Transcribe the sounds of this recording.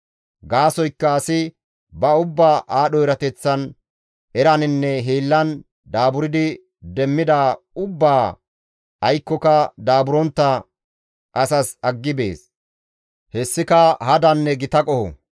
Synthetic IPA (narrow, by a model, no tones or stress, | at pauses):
ɡaːsɔjkːɐːsɪ | bɐʊbːaːʔaːɗɔɛɾɐt̪ɛt͡sːɐn | ɛɾɐnɪnːɛɦeːlːɐn | d̪aːbʊɾɪd̪ɪ | d̪ɛmːɪd̪aː | ʊbːaː | ɐjkːɔkɐd̪aːbʊɾɔnt̪ːɐ | kɐsɐsɐɡːɪbḛːs | hɛsːɪkɐhɐd̪ɐnːɛɡɪt̪ɐkʼɔhɔ̰